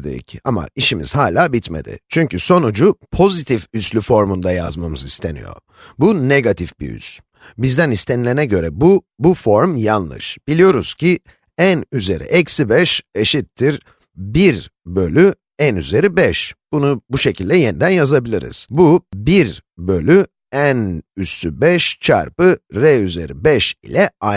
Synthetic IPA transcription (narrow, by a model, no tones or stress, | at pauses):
d̪ḛcama̰iʃimḭz̥haːlʲaːbit̪me̞̰d̪ɪ̰t͡ʃʰyɲcyso̞nud͡ʒupʰo̞zit̪ʰifyslʲyfo̞ɾmund̪aja̰zmamɯzist̪ʰe̞nḭjo̞̰ | buneɡat̪ʰifbiy̰z̥ | bizd̪ænist̪ʰe̞nilʲe̞nɛɟø̞ɾɛbubufo̞ɾmjanlˠɯ̰ʃb̥ilʲijo̞ɾuz̥cʰi | ænyze̞̰ɾʔḭʔɛcsibɛʃe̞ʃit̪ʰːiɾ | biɾbø̞lʲy | ænyze̞ɾibɛʃb̥unubuʃe̞cʰilʲd̪ɛje̞nid̪ænjazabilʲiɾḭz̥bubiɾbø̞lʲy | ænyst̪ʰybɛʃt͡ʃʰa̰ɾpɯɾɛyze̞̰ɾibɛʃḭlʲɛa